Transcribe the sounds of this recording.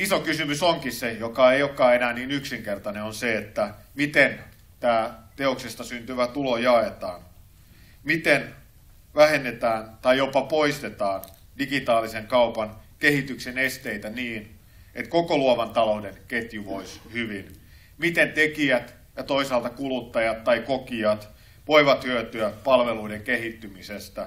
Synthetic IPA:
isokysymysoŋkissejokɑeiokːɑːenæːniːnyksiŋkert̪ɑneonseet̪ːæ | mit̪en | t̪æːt̪eoksest̪ɑsynt̪yʋæt̪ulojɑet̪ɑːn | mit̪en | ʋæhenːet̪æːnt̪ɑjjopɑpoist̪et̪ɑːn | diɡit̪ɑːliseŋkɑupɑnkeɦit̪yksenest̪eit̪æniːn | et̪kokoluoʋɑnt̪ɑloudenket̪jyʋo̞ishyʋin | mit̪ent̪ekiæt̪ | jɑt̪o̞isɑlt̪ɑkulut̪ːɑjɑt̪tːɑikokiɑt̪ | ʋoiʋɑt̪hyøt̪yæpɑlʋeluideŋkeɦit̪ːymisest̪æ

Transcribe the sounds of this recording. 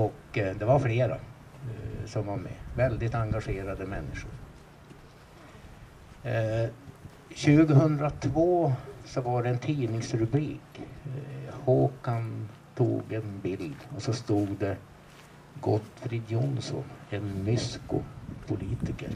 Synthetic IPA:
ɔkːd̪ɛvaɾfleːɾa̰ | sɔmvaɾmɛ̰vɛld̪ɪt̪aŋɡaʂeːɾad̪əmɛnːɪʂʊ̰ɾ | ɕʉ̟ːɡəɦɵnd̪ɾat̪ʰvoːsɔvaɖɛɛnt̪ʰiːnɪŋsɾɵbɾiːk | hoːkant̪ʰṵːɡɛnbɪld̪ɔsɔst̪uːɡd̪ɛ | ɡɔt̪ːfɾɪd̪jʊnsɔ̰nɛnmʏskʊ̰pʰʊliːt̪ɪkə̰ɾ

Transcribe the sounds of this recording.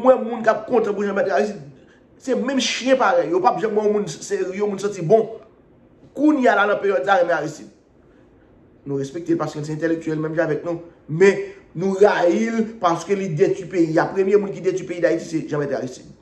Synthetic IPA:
mw̃ɛ̃mũnkap̚kɔ̃tãp̬uʒãmɛtaɣis̬id̪̚ | sɛmɛ̃mʃjɛ̃paɣɛjjopapʒãmãõmũnseiõmũnsãtt͡sibɔ̃ | kunjalanɐ̃pejɔd̪saɣɛmaɣisid̚ | nũɣɛspek̚t̪elpaskønsɛɛ̃telek̚tyɛlmɛ̃mʒãavɛk̚nũmɛ̃nũɣajilpaskølidetypeiapʁemjemũnk̬idetypeidaitisɛʒãmɛta̰ɣisi̥d̚

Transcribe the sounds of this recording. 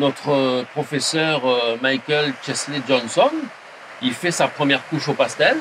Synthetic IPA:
nɔt̪χəpχɔfesœʁmajkʲɛlt͡ʃɛsled͡ʒɔ̃nsɔn | ilfɛsapχəmjɛʁkuʃopast̪ɛl

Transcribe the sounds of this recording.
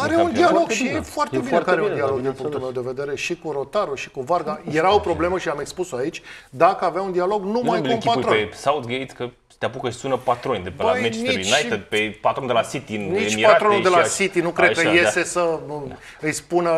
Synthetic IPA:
aɾeundd̪ialoɡʃiefoart̪ebiɾkaɾeund̪ialo̞ɡ̚d̪inpuŋkt̪ulme̞wd̪eve̞d̪e̞ɾe̞ʃikuɾo̞t̪aɾuʃi̥kuvarɡajje̞ɾaopɾo̞ble̞məʃiame̞kspusoait͡ʃʲd̪akəaveaund̪ialo̞ɡnumajuunpat̪ɾoensaut̪ɡej̪sʲkə̥ | t̪eapukəɨsunəpat̪ɾonʲd̪epeajmɛt͡ʃsnt̪it͡ʃnnajted̪̚pepat̪ɾond̪elasit̪iɨnniet͡ʃipat̪ɾo̞nud̪e̞lasit̪inukɾ̚kəəje̞st̪e̞sə | ɨjspunə

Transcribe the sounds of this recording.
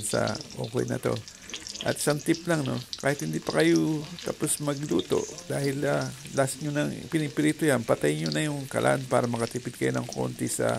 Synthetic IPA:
nsɐ̰ʔo̰ːko̰jnɐ̰t̪o̞̰ | ʔɐ̰t̪saŋt̪ɪplaŋno̞̰kaːhɪt̪hɪnd̪ipɐkɐjot̪aposmɐɡluːt̪o̞̰ʔd̪aːhɪlalasɲonɐŋpɪnɪpɪɾit̪ʊjanpɐt̪ajɲonɐjʊŋkɐ̰lʔa̰ʔanpaːɾɐmɐkɐt̪ipɪd̪̚kɐjonɐŋko̞̰nt̪isɐ̰

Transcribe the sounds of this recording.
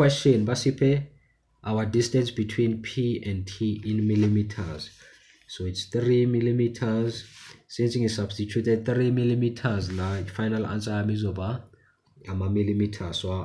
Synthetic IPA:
wɛsʃɔnbasipʰɛ | awadistɛ̃nsbitʰwinpʰiɛ̃ndtʰiinmilimitʰa̰z̥ | soitst̪rimilimitʰazsĩnsiŋisab̥stit͡ʃʰutʰɛd̚θrimilimitʰaznafajnalã̰nt͡sʼajamizɔba | amamilimitʰaswa

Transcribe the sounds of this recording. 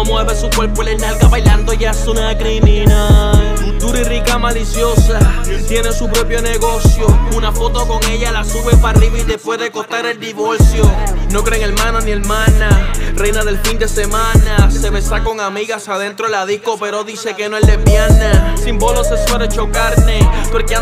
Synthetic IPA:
omweβesukweɾpoelenalkaβajland̪o̞ʝasunakɾiminal | ut̪uɾirikamalisjo̞sa | t̪je̞nesupɾo̞pjo̞ne̞ɣo̞sjo̞unafo̞t̪o̞ko̞ŋe̞ʎalasuβe̞pariβait̪e̞pwe̞ɦðe̞ko̞t̪aɾe̞ld̪iβo̞ɾsjo̞no̞kɾe̞ŋe̞ɾmãnonie̞ɾmãnarejnaðe̞lfind̪e̞se̞mãnase̞βe̞sako̞ŋamiɣasaðe̞nt̪ɾolaðiko̞pe̞ɾoðise̞ke̞noezle̞bjanasimboloseswaɾet͡ʃo̞kaɾne̞poɾkea

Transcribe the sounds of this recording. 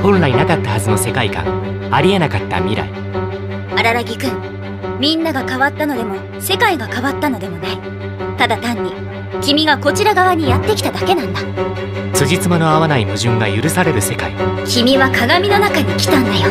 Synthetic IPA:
hõ̞nɾainakat̪ːahazɨno̞se̞kaikã̰ŋaɾʲie̞nakat̪ːa̰mʲiɾa̰i | aɾaɾaɡʲikɯ̟̃ŋ | mʲĩnːaɡakaβat̪ːano̞d̪e̞mo̞ | se̞kaiɡakaβat̪ːano̞d̪e̞mo̞nai | t̪ad̪at̪ãɲ̟ːi | kʲimʲiɡako̞t͡ɕiɾaɡaβaɲ̟ijat̪ːe̞kʲi̥t̪ad̪ake̞nãnd̪a | sɨʑit͡sɨmano̞aβanaimɯ̟ʑɨ̃ŋɡajɯɾɯ̟saɾe̞ɾɯ̟se̞kaikʲimʲiβakaɡamʲino̞nakaɲ̟ikʲi̥t̪ãnd̪ajo

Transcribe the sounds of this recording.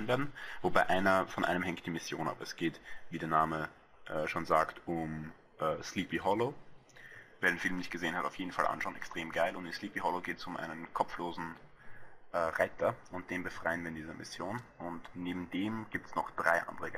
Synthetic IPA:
nveːɐdn̩vobaɪʔaɪnɐfɔnʔa̰ɪnəmhɛŋkt̚d̥iːmɪsjoːnʔa̰ːbɛsɡ̥eːtviːdeːɐnaːmə | ʔɛːʃoːnzaːktʊm | ʔɛːsliːpiɦɔloː | veːɐɾeːnfɪlmnɪçt̚ɡ̥əzeːənhataʊfjeːdn̩falʔa̰nʃaʊnʔɛkstʁ̥eːmɡaɪlʊntɪnsliːpiɦɔloːɡeːtɛ̥sʊmʔa̰ɪnənkʰɔpfloːzn̩ | ʔɛːʁaɪtʰɐʔʊnt̚d̥eːnbəfʁ̥aɪənviːɐɪndiːzɐmɪ̰sjoːnʔʊntneːbm̩deːmɡ̥iːptə̥snɔχd̥ʁaɪʔa̰ndəʁəɡ

